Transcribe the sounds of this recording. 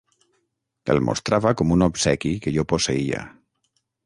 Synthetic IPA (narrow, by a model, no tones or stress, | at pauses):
ḛlmʔo̰st̪ɾaβakomunopsɛkikeʎoposeia̰